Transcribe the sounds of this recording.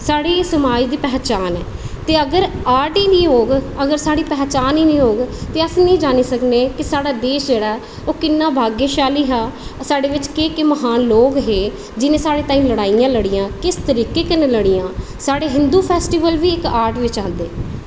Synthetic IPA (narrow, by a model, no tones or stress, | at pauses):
saːɽeːsəmaːd͡ʒd̪iːpɛːt͡ʃaːnɛ̰ːt̪eːəɡəɾaːɾʈiːnĩːɦoːɡəɡəɾsaːɽiːpɛːt͡ʃaːniːnĩːɦoːɡt̪eːəsnĩːd͡ʒaːniːsəkneːkɪsaːɽaːd̪eːʃd͡ʒeːɽaː | oːkɪnːaːbʱaːɡjeːʃaːliːɦãːsaːɽeːʋɪt͡ʃkeːkɪməɦaːnloːɡɦeː | d͡ʒɪnẽːsaːɽeːt̪aːĩːləɽaːijãːləɽijãːkɪst̪əɾiːkeːkɪnẽːləɽijãː | saːɽeːɦɪnd̪uːpʰɛːsʈiːʋəlʋiːɪkaːɾʈʋɪt͡ʃãːnd̪ḛː